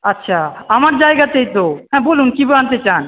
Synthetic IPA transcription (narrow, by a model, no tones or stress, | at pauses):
ɐtːɕʰaamaɾd͡ʑaeɡat̪ejt̪oɦɛ̃bolunkibant̪et͡ɕan